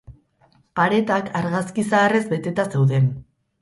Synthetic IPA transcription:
paɾe̞t̪akʰaɾɣaskisaːre̞zbe̞t̪e̞t̪ase̞wðe̞n

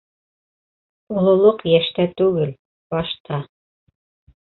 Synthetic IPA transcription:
ulˠŏlˠoqjæʃt̪æt̪ʉɡɘl | bɑʃt̪ɑ

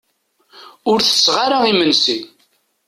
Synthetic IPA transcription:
ʊɾθə̥sːʁaɾaimənsin

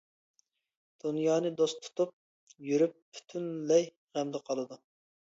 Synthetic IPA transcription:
d̪̥unjɑːnɨd̪ost̪ʰu̥t̪ʰup̚ | jyɾyp̚pʰːy̥t̪ʰynlɛj | ʁɛmd̪ɛqʰɑlˠɨd̪u

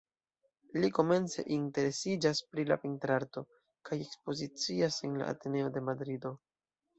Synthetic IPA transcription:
liko̞me̞nt͡se̞̰ʔinte̞ɾe̞sid͡ʒaspɾila̰pintɾaɾto̞ | kaje̞kspo̞zit͡siase̞nla̰a̰te̞ne̞o̞de̞madɾido̞

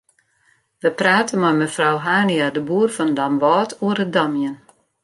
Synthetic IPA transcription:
ʋəpraːtənmɔjməfrawɦaːniadəbuːrfɔndamʋɔːtʰuərədɔmjən

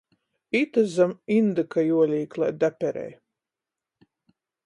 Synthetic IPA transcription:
it̪ɨzamind̪ɨkajuɔlʲiːklˠa̰d̪apʲɛɾɛ̰j

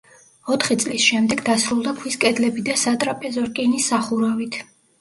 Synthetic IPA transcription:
ɔt̪ʰχit̪sʼlisʃɛmd̪ɛɡd̪asɾulˠd̪akʰwiskʼɛd̪lɛbid̪asat̪ʼɾapʼɛzɔɾkʼɛnisaχuɾavit̪ʰ

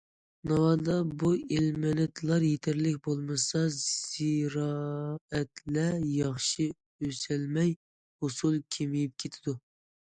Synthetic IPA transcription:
nɑwɑd̪ɑbuelmɛnɛt̪ʰlˠɑɾjet̪ʰæɾlɪkʲbolˠmɨsɑz̥iɾɑɛt̪ʰlɛjɑχʃi | øsɛlmɛj | hosulˠkʲʰemijip̚kʲʰet̪ʰɪd̪u

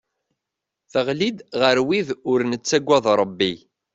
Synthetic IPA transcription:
θəʁlid̪ʁəɾwiðʊɾnət͡sːæɡʷːæðˤɾˤəbːi

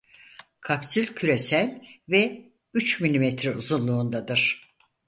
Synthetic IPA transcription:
kʰapsylʲcʰyɾe̞sælʲvɛ | yt͡ʃmilʲimɛt̪ʰɾiuzunlˠuːnd̪ad̪ɯɾ̥

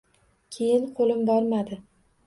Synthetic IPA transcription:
kʲʰe̞jɪnqʰolɪmbɒɾmad̪ɪ

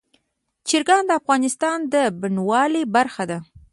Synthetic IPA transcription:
t͡ʃɪɾɡɑnd̪əafɣɑnɪst̪ɑnd̪əbɪnwɑlebaɾxad̪a

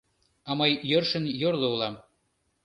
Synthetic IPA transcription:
ɑmɤjːørʃə̆njorlˠoulˠɑm

